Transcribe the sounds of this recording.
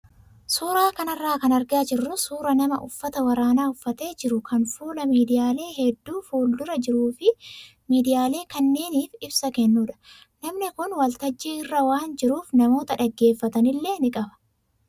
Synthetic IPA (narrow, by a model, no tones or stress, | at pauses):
suːɾaːkɐnɐrːaːkɐnɐɾɡɪaːd͡ʒɪrːʊsuːɾɐnɐmɐʔʊfːɐt̪ɐwɐɾaːnaːʊfːɐt̪e̞ːd͡ʒɪɾʊkɐnfuːlɐmiːd̪ɪjaːle̞ːɦɛd̪ːuːfuːld̪ʊɾɐd͡ʒɪɾuːfɪ | miːd̪ɪjaːle̞ːkɐnːe̞ːniːfɪbsɐkɛnːuːᶑɐ̥ | nɐmnɪkʊnwɐlt̪ɐd͡ʒːiːɪrːɐwaːnd͡ʒɪɾuːfnɐmo̞ːt̪ɐᶑɐɡːe̞ːfːɐt̪ɐnɪlːe̞ːnɪkʼɐbɐ̥